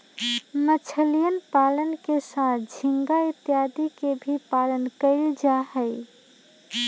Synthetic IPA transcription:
mət͡ʃʰəlijənpalənkesat̪̚ʰd͡ʒʱiŋɡait̪jad̪ikebʱipalənkəɪld͡ʒaɦəj

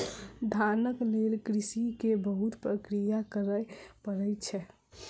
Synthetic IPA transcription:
d̪ʱanəklelkɾisikebəɦut̪pɾəkɾijakəɾəjpəɾəjt͡ʃʰɛ

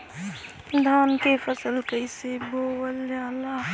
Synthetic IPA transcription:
d̪ʱaːnkefəsəlkəɪsebʱoːwəljaːlaː

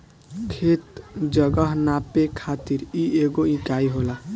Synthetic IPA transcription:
kʰet̪d͡zʌɡʌɦnapekʰat̪iɾieɡoĩkaiɦola

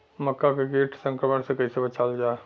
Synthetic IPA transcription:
məkːakeɡeːʈʰsə̃ŋkɾəmənsekəisebət͡ʃʰaːld͡ʒaː

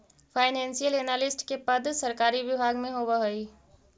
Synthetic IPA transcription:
pʰaːɪnɛ̃ːnsijəleːnaːlɪsʈkepəd̪ʱsəɾkaːɾiʋɪbʱaːɡmẽɦoːʋəɦoi

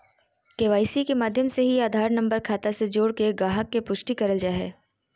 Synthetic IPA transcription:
keʋaːisikemaːd̪ʱjəmseɦiaːd̪ʱaːɾnɐ̃mbəɾkʰaːt̪ased͡ʒoːɽkeɡaːɦəkːepʊʃʈikɐɾəld͡ʒaːɦɛː

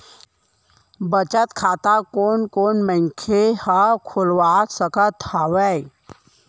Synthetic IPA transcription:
bət͡ʃət̪kʰaːt̪akoːnkoːnmə̃ŋkʰehəkʰulʋasəkət̪haʋəj

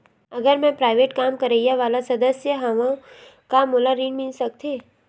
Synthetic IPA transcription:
ɐɡəɾmɛ̃pɾaːɪʋeːʈkaːmkɐɾeːjaʋaːlasɐd̪əsjəɦɐʋõ | kamoːlaɾĩːɳmilsɐk̚t̪ʰeː

